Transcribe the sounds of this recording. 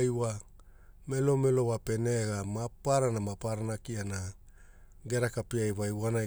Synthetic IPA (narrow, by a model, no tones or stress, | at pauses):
jwa | me̞lo̞me̞lo̞wape̞ne̞ɡamapaɾanamapaɾanakiana | ɡeɾakapiajβajwana